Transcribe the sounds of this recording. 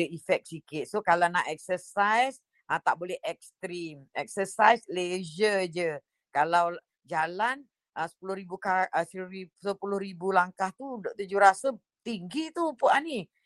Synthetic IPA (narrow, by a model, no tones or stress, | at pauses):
əifɛk̚sikɪt̪̚sokalawnaʔɛk̚səsajs | ʔət̪aʔbolɛɦʔɛk̚st̪ɾimɛk̚səsajsleʒəd͡ʒə | kalaw | d͡ʒalan | əsə̥pulʊhɾibukaʔəsisəpulʊhɾibulaŋkaht̪udoʔt̪ud͡ʒʊhɾasə | t̪iŋɡit̪upuʔani